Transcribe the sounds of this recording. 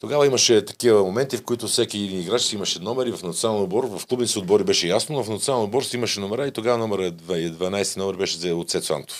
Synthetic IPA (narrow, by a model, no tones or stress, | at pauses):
t̪oɡavɐimɐʃɛt̪ɐ̥kivɐmomɛnt̪ifkoit̪ʊfsɛkiid̪niɡɾat͡ʃsiimɐʃɛnɔmɛɾivɐfnɐt̪sʲalˠnobɔɾvɐfklˠubnsiod̪bɔɾibɛʃɛjasnovɐfnɐt̪sʲalˠɛnobɔɾsimɐʃɛnomɛɾait̪oɡavɐnɔmɛɾəd̪vaɛd̪vɐnajst̪inɔmɛɾbɛʃɛzɛot̪sɛt̪sa̰mt̪o̥f